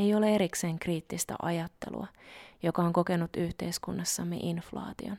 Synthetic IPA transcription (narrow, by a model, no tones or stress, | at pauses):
ejo̞lee̞ɾikse̞ːŋkriːt̪ːist̪æ̰ʔɑjɑt̪ːe̞̰lṵɑ̰jo̞kɑoŋko̞kenːut̪yht̪e̞jskunːɑsːɑmːḛʔinflɑ̰ːt̪ion